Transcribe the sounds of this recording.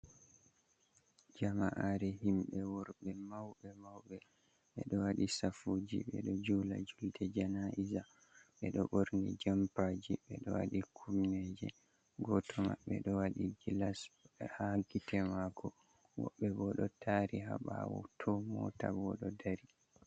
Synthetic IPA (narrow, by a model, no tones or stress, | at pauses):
d͡ʒamaʔaɾɛɦimɓɛwɔɾɓɛmawɓɛmawɓɛ | ɓɛɗɔwaɗisafud͡ʒḭɓɛ̰ɗɔd͡ʒuːla̰d͡ʒuldɛd͡ʒanaʔiza | ɓɛɗɔɓɔɾnɡɛd͡ʒampad͡ʒiɓɛ̰ɗɔwa̰ɗikʰumned͡ʒɛ | ɡɔtʰɔma̰ɓɛ̰ɗɔwaɗiɡilashaɡitɛmakʰɔ | wɔ̰ɓːɛbɔɗɔtʰaɾiɦa̰ɓa̰wɔ̰tʰɔmɔtabɔɗɔdaɾi